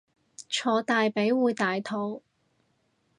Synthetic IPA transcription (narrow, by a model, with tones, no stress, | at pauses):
t͡ʃʰɔː˨˧˥t̪aː˨jpe˨˥jwuː˨˧jt̪aː˨jt̪ʰo˨˥w